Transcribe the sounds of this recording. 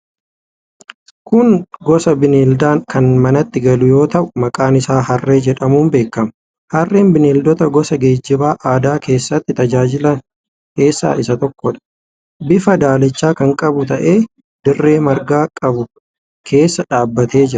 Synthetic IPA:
kʊŋɡɔsɐbɪniːld̪aːnkɐnmɐnɐt̪ːɪɡɐlʊjo̞ːt̪ɐʔʊmɐkʼaːnɪsaːhɐrːe̞ːd͡ʒɛᶑɐmuːmbe̞ːkːɐmɐ | hɐrːeːnbɪneːld̪ɔt̪ɐɡɔsɐɡe̞ːd͡ʒːɪbaːʔaːd̪aːke̞ːsːɐt̪ːɪt̪ɐd͡ʒaːd͡ʒɪlɐn | ke̞ːsːa̰ːʔɪsɐt̪ɔkːɔᶑɐ̥ | bɪfɐd̪aːlɛt͡ʃːaːkɐŋkʼɐbʊt̪ɐʔe̞ː | d̪̥ɪrːe̞ːmɐɾɡaːkʼɐbʊ | kʰe̞ːsːɐᶑaːbːɐt̪e̞ːd͡ʒɪɾɐ̥

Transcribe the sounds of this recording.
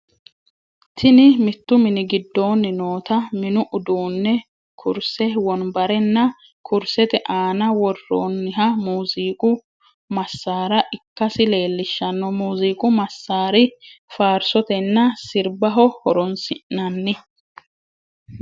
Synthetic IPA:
t̪ʰɪnɪmɪt̪ːʊmɪnɪɡɪd̪ːo̞ːnːɪnoːt̪ɐmɪnʊʔʊd̪oːnːɛ | kʰʊɾsɛwɔnbɐɾɛnːɐ | kʰʊɾsɛt̪ɛʔaːnɐwɔrːo̰ːnːɪɦɐmuːziːkʼʊ | mɐsːaːɾɐʔɪkːɐsɪle̞ːlːɪʃːɐnːɔmuːziːkʼʊmɐsːaːɾɪfaːɾsɔt̪ɛnːɐsɪɾbɐɦɔhɔɾɔnsɪʔnɐnːɪ

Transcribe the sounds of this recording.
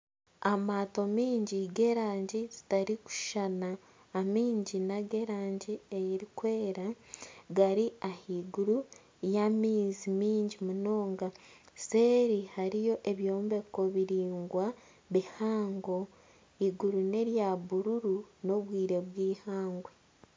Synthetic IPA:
amaːto̞miːɲɟiɡe̞ːɾaːɲɟizi̥taɾiku̥ʃanaː | miːɲɟinaɡe̞ɾaːɲɟiejiɾikwe̞ːɾaɡaɾiahiɡuɾu | jamiːzimiːɲɟimuno̞ːŋɡa | seːɾihaɾijo̞ʔe̞βjoːmbe̞ko̞βiɾiːŋɡwa | βihaːŋɡo̞ | iɡuɾune̞ɾjaβuɾuɾuno̞βwiːɾe̞βwiːhaːŋɡwe

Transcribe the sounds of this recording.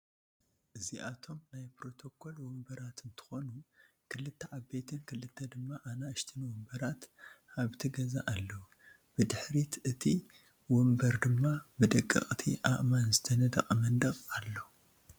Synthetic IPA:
ʔɨziʔat̪ʰo̞mnajpɾo̞t̪ʰo̞kʰo̞lwɔmbɐɾat̪ʰɨnt̪ʰɨ̥xo̞nu | kʰɨlːɨt̪ʰːɐʕaβbet̪ʰɨnkʰɨlɨt̪ʰːɐd̪ɨmːaʔanaɨʃt̪ʰɨnwɔmbɐɾat̪aβt̪ʰɨɡɐza̰ʔalːɐu | b̥ɨd̪ɨħɾit̪ɨt̪ʰi | wɔmbɐɾd̪ɨmːabɨd̪ɐkʼːɨ̰χʼt̪ʰiʔa̰ʔʼmanzɨt̪ʰɐnɐd̪ɐ̰χʼmɐnd̪ɐχʼalːo

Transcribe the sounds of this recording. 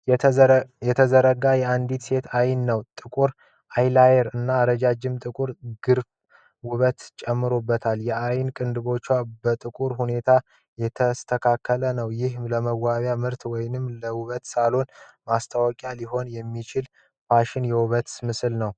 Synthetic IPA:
jɛt̪ʰəzəɾəɡajɛand̪it̪se̞t̪ʰajnːəwt̪ʼɨkʼuɾ | ʔajlajɛɾɨnːaːɾəd͡ʒad͡ʒːɪmt̪ʼɨkʼuɾɡɨɾf | wʊβət̪t͡ʃʼɛmːɨɾobːət̪ʰaljɛʔajnkʼɨnd̪ɨβo̞t͡ʃːwabət̪ʼɨkʼuɾhune̞t̪ʰa | jɛt̪ʰəst̪ʰəkʰakʰːələnəwjɪhləməwːaβjamɨɾt̪wɔjnɨmləwuβət̪salo̞nmast̪ʰawɔkʼjaliɦo̞njɛmːit͡ʃɪl | paʃɪnjɛwuβət̪mɨsɨlnəw

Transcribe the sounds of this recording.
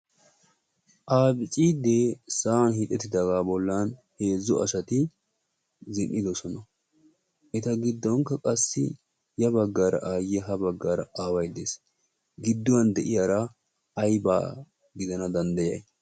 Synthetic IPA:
ʔaːbɪt͡ʃʼid̪esaːnhiːt̪ʼɛt̪ːɪd̪ɐɡaːbɔlːanhe̞ːzːʊʔɐ̰sɐt̪ɪ | zɪnʔɪd̪ɔsɔnɐ | ʔɛt̪ɐɡɪd̪ːɔŋkːɐkʼɐsːɪ̰ | jɐbɐɡːaːɾɐ̰ʔaːjɛɦɐbɐɡːaːɾɐaːwɐjd̪ḛːs | ɡɪd̪ːʊwɐnd̪ɛʔɪjaːɾɐː | jba̰ː | ɡɪd̪ɐnɐd̪ɐnd̪ɐjɐj

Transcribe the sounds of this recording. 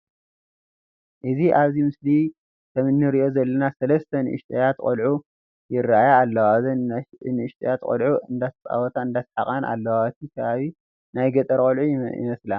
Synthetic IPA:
ʔɨziʔaβzimɨsli | t̪ʰɐmɨnːɨɾiʔo̞zɐlːɐnasɐlɐst̪ʰɐnɨʔɨ̰ʃt̪ʼɐjat̪kʼolʕu | jɪrːaajaːlːɐwazɐnɨɨʃt̪ʼɐ̰jat̪kʼo̰lʕuɨnd̪at̪t͡sʼa̰wɔt̪ʰaɨnd̪asħakʼanʔa̰lːɐwat̪ʰikʰɐβaβi | najɡɐt̪ʼɐɾkʼolʕujɪ̰mɐsla

